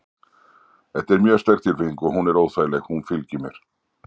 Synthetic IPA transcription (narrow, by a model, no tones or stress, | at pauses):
ɛt̪ːɛɾmjœːst̪ɛr̥kt̪ɪɾviŋkɔɣɦunɛɾoːwθaːjlɛxhunfɪlcɪmɛɾ̥